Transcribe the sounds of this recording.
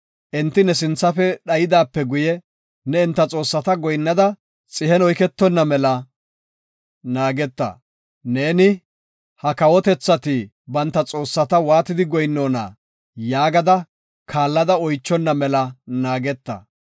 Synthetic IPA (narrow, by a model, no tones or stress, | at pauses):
ʔɪnt̪ːɪnɛsɪnt͡sːɐfɛɗɐjɪd̪aːpːɛɡʊjɛ | nɛɪnt̪ːɐt͡sʼo̞ːsːɐt̪ɐɡɔjnːɐd̪ɐ | t͡sʼɪhɛnɔjkɛt̪ːɔnːɐmɛlɐ | naːɡɛt̪ːɐ̰ | ne̞ːnɪ | hɐkɐwɔt̪ɛt͡sːɐt̪iː | bɐnt̪ːɐt͡sʼo̞ːsːɐt̪ɐwaːt̪ɪd̪ɪɡɔjnːoːnɐ̰ | jaːɡɐd̪ɐ | kʰaːlːɐd̪ɐɔjt͡ʃːɔnːɐmɛlɐnaːɡɛt̪ːɐ̰